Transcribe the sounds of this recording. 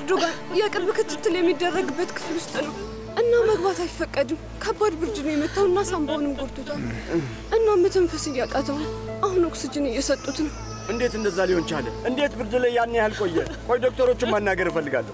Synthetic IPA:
ɾd̪oɡanjakʼɨɾbɨkʰɨt̪ʰːɨt̪ʰːɨljɛmːid̪ːərːəɡɨbːət̪kʰɨ̥flʊst̪ʼnəw | ʔɨnːaməɡbat̪ajfːəkʼːəd̪ɨm | kʰəbːad̪bɨɾd͡ʒɨnəjɛmət̪ʰːawɨnːasambəhonɨmɡoɾt̪ʰut̪ʰa | ʔɨnːamːət̪ʰəmfəsɨjːakʼat̪ʰəwʔahunoksɨd͡ʒɪnɨjɛsət̪ʼːut̪nəw | ʔɨnd̪e̞t̪ɨnd̪əzːaliho̞nt͡ʃaləʔɨnd̪e̞t̪bɨɾd͡ʒɨləjːanːjahalkʼo̞jːɛ | kʰojd̪o̞k̚t̪ʰəɾo̞t͡ʃːɪmanːaɡəɾifəlːɨɡa̰lːə

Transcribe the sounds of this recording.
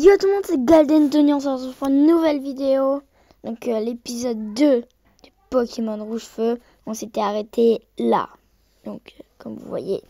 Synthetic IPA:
ɡjot̪mɔ̃d̪sɛɡald̪ɛnd̪ənyɔ̃s̬ɔʁt̪pɔʁynːuvɛlvid̪eo | d̪̥ɔ̃kølepizɔd̪ːø | d̪̥ypɔkʲʰemɔnʁuʒfø | ɔ̃set̪ɛaʁet̪ʰe | la̰ | d̪̥ɔ̃kkɔmvṵvwa̰jḛ

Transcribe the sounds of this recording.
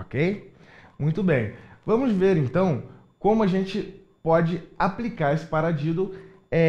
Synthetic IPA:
okej | mũj̃t̪ʊbẽj̃vɐ̃mʊzveɾẽnt̪ɐ̃w̃ | kõmʊaʒẽnt͡ʃɪ | pɔd͡ʒɪaplikaɾesɪ̥paɾad͡ʒid̪ʊ | ɛ

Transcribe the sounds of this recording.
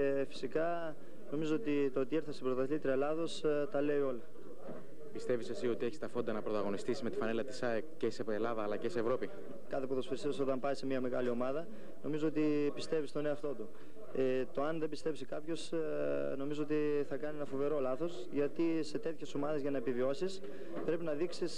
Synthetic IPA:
efi̥sikɐ | no̞mizoot̪it̪oot̪ie̞ɾθɐsepɾot̪ɐθlit̪ɾiɐlɐðo̞st̪ɐle̞io̞lɐ | pist̪e̞visesio̞t̪ie̞çist̪ɐfo̞nd̪ɐnɐpɾot̪ɐɣonist̪isime̞t̪i̥fɐnelɐt̪i̥sɐekceseelɐðɐːlɐceseːvɾo̞pi | kɐt̪epuðosfiɾisiso̞t̪ɐmpɐjse̞miɐme̞ɣɐlio̞mɐðɐ | no̞mizoo̞t̪ipist̪e̞vist̪o̞neoɐft̪o̞t̪u | e | t̪o̞ɐnðe̞mbist̪e̞psikɐpço̞s | no̞mizoo̞t̪iθɐkɐnienɐfo̞ve̞ɾo̞lɐθo̞sʝɐt̪ise̞t̪e̞t̪çe̞so̞mɐðe̞zʝɐnɐepivio̞sis | pɾe̞pinɐðiksis

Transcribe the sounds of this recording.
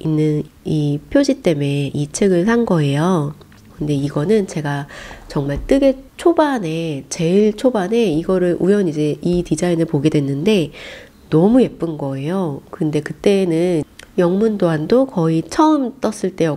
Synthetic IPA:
inːɯnipʰjod͡ʑit͈e̞me̞it͡ɕʰeɡɯɭsanɡʌe̞jo | kɯnde̞iɡʌnɯnt͡ɕe̞ɡat͡ɕʌŋmaɭt͈ɯɡe̞t͡ɕʰobane̞t͡ɕe̞iɭt͡ɕʰobane̞iɡʌɾɯɭʔujʌnid͡ʑe̞itid͡ʑainɯɭpoɡe̞dwe̞nːɯnde̞ | nʌmuje̞p͈ɯnɡʌe̞jokɯɯnde̞kɯt͈e̞ːnɯnjʌŋmundoandokʌit͡ɕʰʌɯmt͈ʌs͈ɯɭt͈e̞jʌ

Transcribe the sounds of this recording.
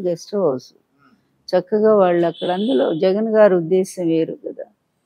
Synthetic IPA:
ɡɐsʈɐʋɐːsu | t͡ʃɐkːɐɡaːʋaːɭːuɐkːɐɽɐnd̪ulo̞ːd͡ʒɐɡɐnɡaːɾud̪ːeːsɐmʋe̞ːɾṵkɐd̪aː

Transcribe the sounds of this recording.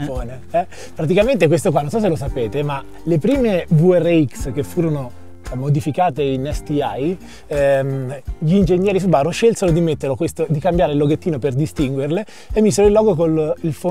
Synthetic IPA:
oːne | ɛ | pɾat̪̬ikament̪ekwes̬t̪ok̬wanːonsɔs̬elosapeːt̪ema | lepɾiːmebuɛrːeiksk̟efːuːɾono | mod̪ifikaːt̪einɛst̪iaj | ʎiːnd͡ʒeɲːjɛːɾis̬ubaːroʃːelseɾod̪imet̪ːerlokwest̪od̪ikambjaːɾelːoɡet̪ːiːnoperd̪ist̪iŋɡwerle | emːiːzeɾoilːɔːɡokolilfo

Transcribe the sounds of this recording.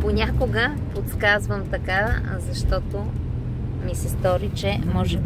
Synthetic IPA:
ponʲakʊɡəpot̪skazvəmt̪ɐka | zɐʃt̪ɔt̪o | misɛst̪ɔɾit͡ʃɛmɔʒɛ

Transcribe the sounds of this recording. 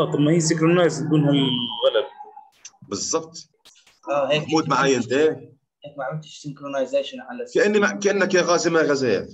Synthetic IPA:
ɑːt̪ˤɑmːahiːsɪkɾɑnːaːst̪̚ɡuːnhalɣalab̚ | bɨzˤːɑb̚t̪ˤ | ʔaheːkmuːt̪maʕajːant̪eː | heːk̚maʕɪt̪ɪ̥ʃsɪŋkɾonajzeːʃɪnʕalkaʔɪnːiakaʔɪnːakaɣɑːsɪmaɣazeːja̰

